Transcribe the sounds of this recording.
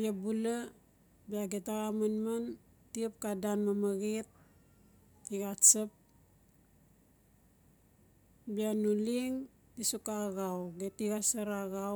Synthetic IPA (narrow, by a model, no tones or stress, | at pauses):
biabula | biaɡetaɣamanman | tiap̚kadanmamaɣit̚ | iɣasap̚ | bianuliŋ | tisukaɣawɡetiɡasaɾaɣaw